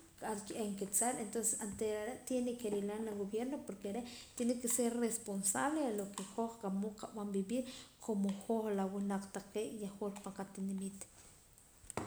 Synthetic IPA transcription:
kʼaɾt͡ʃʔeŋket͡saɾent̪onse̥sant̪eɾaɾeʔt̪jenekeɾilanlaɣoβjeɾnopoɾkeɾeʔt̪jenikːeseɾresponsaβlealokexoχqamoqaɓambiɓiːɾkʰomoxoχlawinaq͡χt̪aqeːʔjaχolpaŋqat̪inemit̪

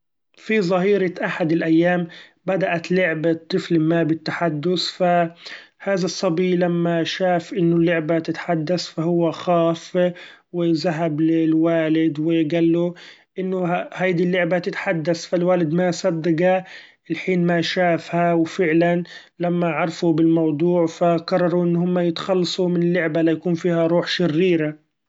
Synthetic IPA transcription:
fizˤɑɦiːɾɑʔaħad̪ɪlʔajːaːmbad̪aʔat̪lʊʕbat̪ˤːɨflmabɪt̪ːaħad̪ːʊsfahaːðasˤːɑbiːlamːaʃaːfʔɪnːʊlːʊʕbat̪ɪt̪ħad̪ːasfaɦʊwːaxaːfwɪzaɦablɪlwaːlɪd̪wɪɡalːuʔɪnːʊhajd̪ilːʊʕbat̪ɪt̪ħad̪ːasfalwaːlɪd̪masɑd̪ːɪɡa | ɪlħiːnmaʃaːfhawfɪʕlan | lamːaʕɑɾˤfubɪlmɑwd̪ˤuːʕfaqɑrˤːɑɾˤuʔɪnːhʊmːajɪt̪ḁxɑlːɑsˤumɪnɪlːʊʕbalijakuːnfiːhaɾˤuːħʃɪrːiːɾa

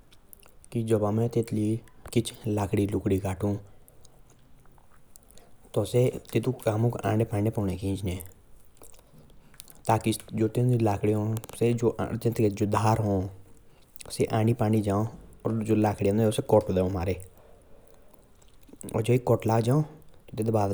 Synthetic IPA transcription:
kid͡ʒɔbaːmɛ̃ːt̪eːt̪liːkɪt͡ʃʰlaːkʰɽiːlʊkɽiːkaːʈʰũː | t̪ɔset̪ɪt̪ũkaːmũːkã̰ːɳɖepaːɳẽːpɔːneːkẽːd͡ʒnẽː | t̪aːkid͡ʒoːt̪ẽːnilaːkʰɽiɦõːsed͡ʒo̰ːt̪ẽːt̪ked͡ʒoːd̪ʱaːɾɦõː | seːʔãːɖipaːnid͡ʒãːõɔ̰ːɾd͡ʒoːlaːkʰɽiãnoseːkɔʈːd̪eõmaːɾeː | ɔ̰ːd͡ʒoːikːɔːʈlaːɡd͡ʒaːõt̪ot̪eːt̪ːbaː

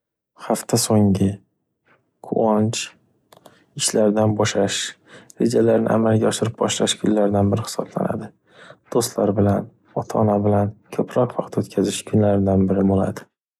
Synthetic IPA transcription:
haft̪ʰasoŋɪ | qʰʊ̰ɒnt͡ʃ | ɪʃlaɾd̪anbɒʃlaʃ | ɾe̞̰d͡ʒalaɾnɪ̰ʔa̰malɡʲaɒʃɪɾɪp̚bɒʃlaʃkʰʊ̰nlaɾd̪anbɪɾɪhɪ̥sɒbla̰na̰d̪ɪ | d̪̥ost̪laɾbɪlan | ɒt̪ʰaːnabɪlankʲʰɵpɾɒqvɑqʰt̪ɵt̪kʲʰazɪʃkʰʊnlaɾɪd̪anbɪɾɪbolˠa̰d̪ɪ̥

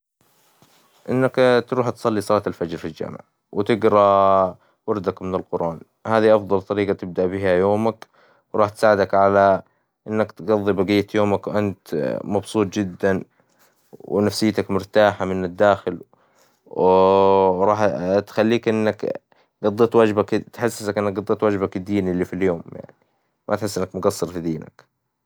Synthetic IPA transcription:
ʔɪnːakt̪ɾuːħt̪sˤɑlːisˤɑlɑːt̪alfad͡ʒɾfild͡ʒa̰mɪ̰ʕ | wɪt̪ɪɡɾˤɑ | wɑɾˤd̪akmɪnɪlqʊɾʔɑːn | haːðiʔɑfðˤɑlt̪ˤɑɾiːɡat̪ɪb̚d̪aʔbɪhajoːmak | wɾˤɑːħt̪saːʕɪd̪akʕala | ʔɪnːakt̪ɡɑðˤːibaɡijːat̪joːmakwʔant̪mɑbsˤuːt̪ˤd͡ʒɪd̪ːan | wɪ̰nafsɪjːt̪akmʊɾt̪aːħamɪnɪd̪ːaːxɪl | w | ɾˤɑːħt̪xalːiːkʔɪnːak | ɡɑd̪ˤːeːt̪wad͡ʒbakt̪ħasːsakʔɪnːak̚ɡɑd̪ˤːeːt̪wad͡ʒbakɪd̪ːiːnlːifiljoːmja̰ʕni | mʔat̪ħɪsːʔɪnːakmʊɡɑsˤːɨɾfid̪iːna̰k

